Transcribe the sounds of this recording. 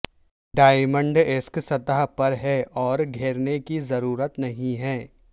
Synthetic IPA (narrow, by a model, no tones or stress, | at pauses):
ɖaːɪmə̃ɳɖɪsksɐt̪aɦpɐɾɦɛʔɔːɾɡʱeːɾnekizɐɾuːɾət̪nɐɦĩɦɛː